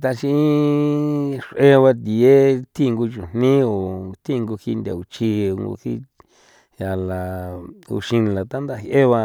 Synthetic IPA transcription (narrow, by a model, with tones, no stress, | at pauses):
t̪a˧ʃĩ˧i˦ | ʂʔe˦βa˧t̪i˨e˦t̪ʰĩ˦˧ŋɡu˧t͡ʃu˨n̥nĩ˦o˨t̪ʰĩ˦˧ŋɡu˧hi˧nd̪ḛ˨u˨t͡ʃi˧o˧ŋɡo̰˧hḭ˧ | ja˨la˨ṵ˧ʃĩ˧la˨t̪a˦nd̪a˦˧hjʔe˦βa˧